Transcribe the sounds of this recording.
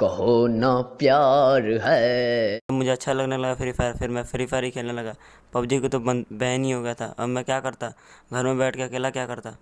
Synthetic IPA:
kɐɦonapjaːɾɦɛt̪ɐbmʊd͡ʒʱeɐtːʃʰalɐɡnalɐɡafʰɪɾifʰaːɾfʰɪɾmɛ̃fʰɪɾipʰaːɾikʰeːlnalɐɡaː | pɐbd͡ʒikot̪obə̃nbɛɦnĩɦoɡɐjat̪ʰa̰ʔɐ̰bmɛ̃kjaːkɐɾt̪aɡʱɐɾmẽbɛːʈʰkeɐkeːlakjaːkɐɾt̪aː

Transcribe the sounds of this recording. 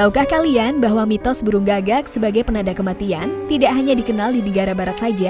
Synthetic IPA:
t̪aukahkalianbaɦwamit̪ɔsbəɾuŋɡaɡak̚səbaɡajpənadakəmat̪iant̪idaʔɦaɲadikənaldinəɡaɾabaɾat̪̚sad͡ʒa

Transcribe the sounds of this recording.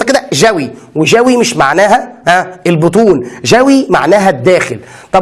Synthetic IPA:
ɑked̪æʒæwi | weʒæwimɪʃmaʕnæːɦæhæelbot̪̬ˤuːnʒæwima̰ʕnæːɦæd̪ːæːxɪlt̪ˤɑb

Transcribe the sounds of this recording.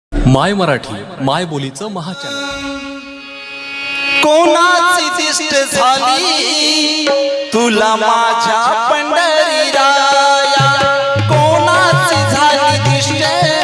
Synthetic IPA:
majməɾaʈʰḭː | majbolit͡səməɦat͡ɕa | konat͡siːd̪isʈəd͡zʱali | t̪ulamad͡ʑʱjapəɳɖəɾiɾaj | konat͡siːd͡zʱalid̪iʂʈe

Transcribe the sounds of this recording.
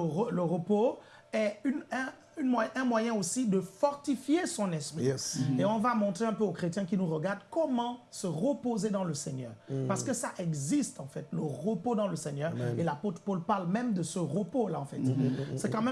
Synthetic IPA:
ələʁəpo | ɛynɛ̃ | ynmwaʔɛ̃mwajɛ̃osid̪əfɔʁt̪ifjesɔ̃nɛ̃spχieɔ̃vamɔ̃t̪χeɛ̃pøokχet̪jɛ̃kinuʁəɡaʁd̪kɔmɑ̃səʁəpozed̪ɑ̃ləsɛɲœːʁpaʁsə̥kəsaʔɛɡzist̪ɑ̃fɛt̪ləʁəpod̪ɑ̃ləsɛɲœʁelapot̪χəpolpaʁlmɛmd̪əsəʁəpolaɑ̃fɛt̪sɛkɑ̃mɛ

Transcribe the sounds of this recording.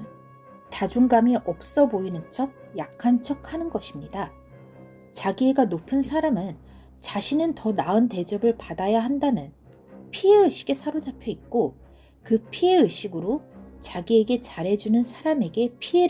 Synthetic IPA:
tad͡ʑoŋɡamiʔʌp̚s͈ʌboinɯnt͡ɕʰʌk̚jakʰːant͡ɕʰʌk̚ʰhanɯnɡʌɕʰimɲida | t͡ɕaɡie̞ɡanopʰɯnsʰaɾamɯn | t͡ɕaɕʰinɯntʌnaɯnte̞d͡ʑʌbɯɭpadajaɦandanɯn | pʰie̞ɯɕʰi̥ɡe̞sʰaɾod͡ʑapʰjʌik̚k͈o | kɯpʰie̞ɯɕʰiɡɯɾot͡ɕaɡie̞ɡe̞t͡ɕaɾe̞d͡ʑunɯnsʰaɾame̞ɡe̞pʰie̞ɾ

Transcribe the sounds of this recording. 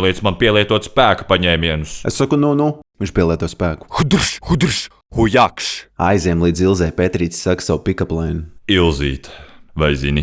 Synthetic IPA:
lˠiɛt̪smanpiɛlˠiɛt̪uɔt̪spæːkpaɲɛːmʲiɛnusḛssakununuvint͡ʃpʲiɛlˠiɛt̪uɔt̪spæːku̥xud̪ɾʃxud̪ɾʃ | hujakʃa̰jziɛmlˠiːd̪zilˠzɛjpet̪ɾiːt̪ssaksawpikaplˠɛjnuilˠziːt̪vajzini

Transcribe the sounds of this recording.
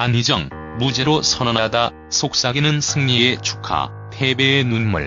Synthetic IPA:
aɲid͡ʑʌŋ | mud͡ʑe̞ɾosʰʌnʌnada | sʰok̚s͈aɡinɯnsʰɯŋɲiet͡ɕʰu̥kʰa̰ | tʰe̞be̞ːnunmṵɭ

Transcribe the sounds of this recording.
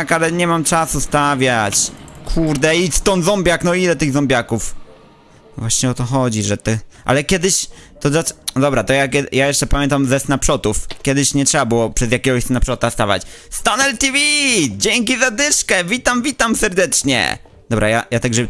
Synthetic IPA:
kalɛɲɛmamt͡ʂasust̪avʲjat͡ɕkʰuɾd̪ɛist̪ɔnzɔmbʲjaknɔilɛt̪ɘɣzɔmbʲjakuf | vwaɕɲɛɔt̪ɔxɔd͡ʑiʐɛt̪ɛʔa̰lɛkʲɛd̪ɘɕt̪ɔad̪ɔbɾat̪ɔjak̬ʲɛjajɛʂt͡ʂɛpamʲjɛnt̪amzɛsnapʂɔt̪ufkʲɛd̪ɘɕɲɛtʂɛbabɘwɔpʂɛzjakʲɛɡɔɕsnapʂɔt̪ast̪avʲa̰t͡ɕst̪anɛlt̪ivʲid͡ʑɛŋk̬ʲizad̪ɘʂkɛvʲit̪amvʲit̪amsɛɾd̪ɛt͡ʂɲɛ̰ | d̪ɔbɾa̰jajat̪aɡʐɛ

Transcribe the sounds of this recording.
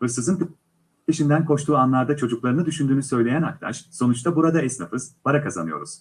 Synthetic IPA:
ɯsɯzɯnk | iʃind̪ænkʰo̞ʃt̪ʰuːanlˠaɾd̪at͡ʃʰo̞d͡ʒuklˠaɾɯnɯd̪yʃynd̪yːnysø̞jlʲe̞jænak̚t̪ʰa̰ʃso̞nut͡ʃt̪ʰabuɾad̪aɛsnafɯzbaɾakʰaza̰nɯjo̞̰ɾṵz̥

